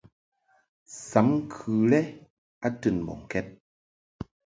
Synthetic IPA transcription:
sa˨˦mkʰɨ˨˧˩le˦ | a˨˦tɨ˨˩˨nbo̰˨ŋkɛ˦t̚

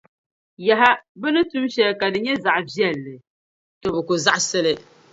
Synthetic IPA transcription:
ja˨ɦa˦bɨ˦nɨ˦tu˦mʃɛ˦lka˨dɨ˨ɲɛ˦za˨ʔvjɛ˦˨lːɨ˨ | tɔ˨˦bɨ˨ku˨za˦ʔsɨ˦lɨ˦

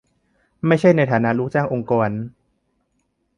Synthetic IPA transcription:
ma˥˩jt͡ɕʰa˥˩jna˧jt̪ʰaː˩˦na˦˧˥ɾuː˥˩k̚t͡ɕaː˥˩ŋʔo˧ŋkɔː˧n

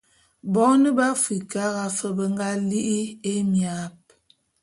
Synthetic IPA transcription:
bɔ˦nə˦ba˦fi˨ka˦ɣa˦fə˨bə˦ŋɡa˦li˦ʔi˦e˦mja˨˦p̚

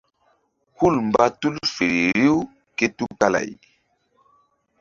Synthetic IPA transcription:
hu˦˨lm˨ba˦tu˦lfe˨ɾe˨ɾi˦w | ke˦tu˦ka˦la̰˨j

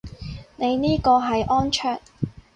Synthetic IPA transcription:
ne˨˧jniː˥kɔː˧ɦɐ˨jʔɔː˥nt͡ʃʰœː˥ŋ

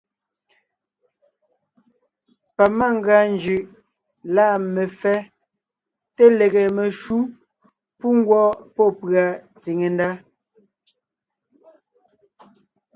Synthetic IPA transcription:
pa˨ma˦˨ŋ˦ɡa˨nd͡ʒʉ˨ʔ | la˦˨me˨fɛ˦ | te˦le˨ɣe˨me˨ʃu˦ | pu˦ŋ˦ɡwɔ˦pɔ˦pɰa˨ | ti˨ŋe˨nda˦

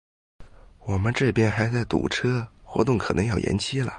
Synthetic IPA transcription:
wɔ˨˩mə˦nʈ͡ʂɤ˥˩pjɛ˥nxa˧˥ɪt͡sa˥˩ɪt̪ṵ˨˩ʈ͡ʂʰɤ˥xwɔ̰˧˥t̪ʊ˥˩ŋkʰɤ˨˩nɤ˧˥ŋjɑ˥˩ʊjʔɛ̰˧˥nt͡ɕʰi˥lə̰˨˩

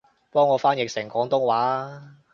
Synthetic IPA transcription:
pɔː˥ŋːɔː˨˧faː˥njɪ˨k̚sɪ˨˩ŋkɔː˨˥ŋt̪ʊ˥ŋwaː˨˥

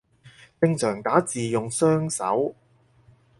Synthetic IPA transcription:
pɪ˧ŋt͡ʃʰœː˨˩ŋt̪aː˨˥t͡siː˨jʊ˨ŋsœː˥ŋsɐ̰˨˥w

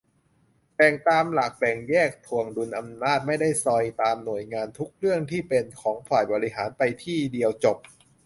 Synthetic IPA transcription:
bɛ˨˩ŋt̪aː˧mla˨˩k̚bɛ˨˩ŋjɛː˥˩k̚t̪ʰu˨˩əŋdu˧nʔa˧mnaː˥˩t̪̚ma˥˩jda˥˩jsɔ˧jt̪aː˧mnu˨˩əjŋaː˧nt̪ʰu˦˥k̚ɾɯ˥˩əŋt̪ʰiː˥˩pe˧nkʰɔː˩˦ŋfaː˨˩jbɔː˧ɾi˦˥ɦaː˩˦npa˧jt̪ʰiː˥˩di˧əwt͡ɕo˨˩p̚

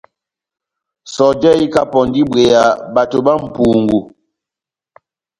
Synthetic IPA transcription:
sɔ˨d͡ʒɛ˦i˦ka˦pɔ˨ndi˦bɣe˨ja˨ba˨to˨ba˦m̩˨pu˨ŋɡu˨

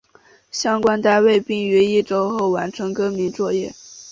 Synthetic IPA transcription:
ɕjɑ˥ŋkwa˥nt̪a˥˧ɪwe˥˧ɪpi˥˩ŋy˧˥i˥˩ʈ͡ʂo˥ʊxo˥˩ʊwa˧˥nʈ͡ʂʰɤ˧˥ŋkɤ˥mi˧˥nt͡swɔ˥˧jɛ˥˩

